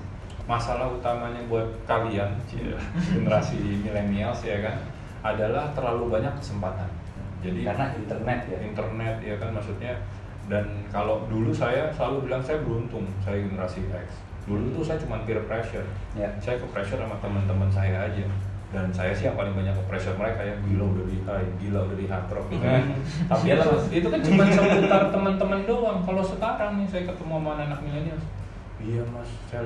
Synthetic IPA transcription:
masalahut̪amaɲabuat̪̚kawianiɡənəɾasimilenialsjakan | adalaht̪ərlalubaɲakːə̥səmpat̪an | d͡ʒadikanaint̪ərnɛt̪jaint̪ərnɛt̪̚jakanmaksut̪̚ɲa | dankalodulusajasəlalubilaŋsajabəɾunt̪ʊŋsajaɡənəɾasia̰ks | dulut̪usajat͡ʃumanpiɾəpɾesɔr | sajakəpɾesɔɾamat̪əmənt̪əmənsajaːd͡ʒa | dansajasɪhjaŋpalɪŋbaɲakːəpɾesɔrməɾekajaŋbilaudadiʔajabilaudadiɦat̪ɾɔfiait̪apialait̪ukant͡ʃumansəət̪art̪əmənt̪əməndoaŋkalosəkaɾaŋnɪsajakət̪əmuamaanaenak̚milenias | ijamassa

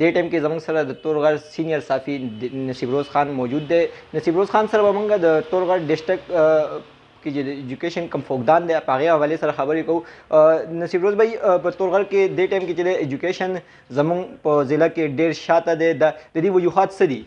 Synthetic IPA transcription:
d̪̥eʈaːjmkezɐmuŋɡsɐɾad̪ət̪oːɾɣɐɾsinijɐɾsaːfinɐsiːbɾoːzxaːnmɔːd͡ʒuːd̪ːenɐsiːbɾoːzxaːnsɐɾabɐmɐŋɡad̪ət̪oɾɣɐɾɖɪsʈɐk | ket͡ʃed̪əed͡ʒukeːʃɐnkɐmfoːɡd̪aːnd̪epɐɐɣeɦɐʋaːlesɐɾaxɐbəɾekɐu | nɐsiːbɾoːzbaipət̪oːɾɣɐɾked̪eʈaːjmket͡ʃed̪eed͡ʒukeʃɐn | zɐmuŋɡpəzɪlakeɖeɾʃaːt̪ad̪ed̪ad̪ɐd̪iʋɐd͡ʒuɦaːt̪sɐd̪i

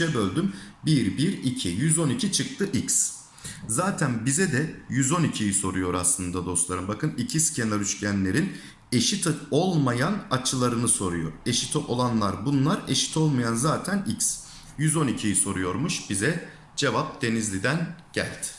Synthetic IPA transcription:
ɛbølʲd̪ymbiɾbiɾicʰijyzo̞nicʰit͡ʃʰɯk̚t̪ʰɯʔics | zaːt̪ʰænbizɛd̪ɛjyzo̞nicʰijiso̞ɾujo̞ɾaslˠɯnd̪ad̪o̞st̪lˠaɾɯmbakʰɯnicʰiscʰenaɾyʃcʰænlʲe̞ɾin | e̞ʃit̪ʰo̞lˠmajanat͡ʃʰɯlˠaɾɯnɯso̞ɾujo̞̰ɾe̞ʃit̪ʰɛʔo̞lˠanlˠaɾbunlˠaɾe̞ʃi̥t̪ʰo̞lˠmajanzaːt̪ʰænics | jyzo̞nicʰijiso̞ɾujo̞ɾmuʃb̥izɛ | d͡ʒe̞vap̚d̪̥e̞nizlʲid̪ænɟ̥æ̰lʲd̪̥ɪ̥

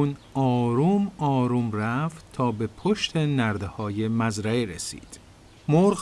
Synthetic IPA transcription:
unɒːɾuːmɒːɾuːmræft̪t̪ʰɒːbe̞pʰoʃt̪ʰe̞næɾd̪ehɒːje̞mæzɾæeɾesḭːd̪̥ | moɾɣ

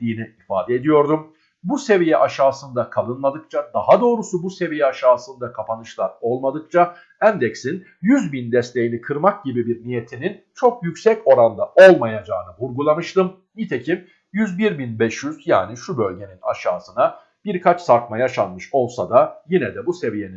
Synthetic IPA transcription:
iːniifaːd̪ɛed̪ijo̞ɾd̪um | buse̞vijɛʔaʃaːsɯnd̪akʰalˠɯnlˠad̪ɯk̚t͡ʃʰad̪aɦad̪o̞ːɾusubuse̞vijɛaʃaːsɯnd̪akʰapʰanɯʃlˠaɾo̞lˠmad̪ɯk̚t͡ʃʰa | ænd̪ɛcsin | jyzbind̪ɛst̪ʰʲe̞jinikʰɯɾmak̚ɟibibiɾnije̞t̪ʰinint͡ʃʰo̞k̚jycsɛco̞ɾand̪ao̞lˠmajad͡ʒaːnɯvuɾɡulˠamɯʃt̪ɯm | nit̪ʰe̞cʰim | jyzbiɾbinbɛʃjyz̥ja̰ːniʃubølʲɟe̞nina̰ʃaːsɯna | b̥iɾkʰat͡ʃsaɾkmajaʃanmɯʃo̞lˠsad̪ajinɛd̪ɛbuse̞vije̞ni

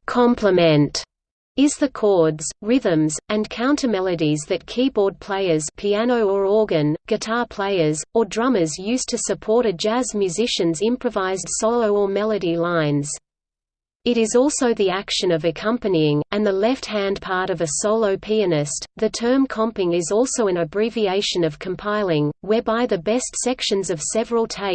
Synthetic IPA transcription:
kʰɑ̃mpʰləmɨ̃nt | ɪzðɨkʰɔɹdz̥ɹɪðɨ̃mzɨ̃nkʰãʊ̃ntʰəmɛlˠɨɾizðɨt̚kʰibɔɹd̚pʰl̥eɪə˞z̥pʰiænoʊə˞ɔɹɡɨ̃nɡ̥ɨtʰɑɹpʰl̥eɪə˞zə˞dɹʌməzjʉstʰɨsɨpʰɔɹɾɨd͡ʒæzmjʉzɪʃɨ̃nzɪ̃mpɹ̥ɨvaɪzɨd̥soʊlˠoʊə˞mɛlˠɨɾilãɪ̃nz̥ | ɨɾɨzɔlˠsoʊðiækʃɨ̃nʌvɨkʰʌ̃mpɨniɪ̃ŋɨ̃nðəlɛft̚hæ̃npʰɑɹɾʌvɨsoʊlˠoʊpʰiɨnɪstðɨtʰɜ̃˞mkʰɑ̃mpɪ̃ŋɪzɔlˠsoʊɨ̃nɨbɹivieɪʃɨ̃nʌv̥kʰə̃m̩pʰaɪlˠɪ̃ŋwɛ˞baɪðɨbɛstsɛkʃɨ̃nzʌv̥sɛvɹl̩ˠtʰeɪ

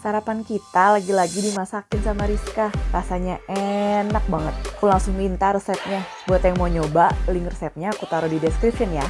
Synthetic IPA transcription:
saɾapankit̪alaɡilaɡidimasakɪnsamaɾiskarasaɲaʔenak̚baŋət̪̚akulaŋsʊŋlint̪aɾəsɛp̚ɲa | buat̪jaŋmoɲobalɪŋrəsɛp̚ɲaːkut̪aɾudidɛskɾipʃʊnja

